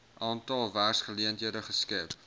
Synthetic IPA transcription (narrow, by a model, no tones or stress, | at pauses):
ʔɑːntɑlˠværsχəliəntɦiədəχəskɛp